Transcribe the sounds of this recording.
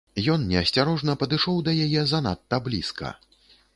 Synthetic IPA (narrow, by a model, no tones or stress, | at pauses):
jɔnnʲɛɐsʲt͡sʲaɾɔʐnɐpɐd̪ɨʂɔwd̪ɐjajɛzɐna̰t̪ːɐblʲḭskɐ̰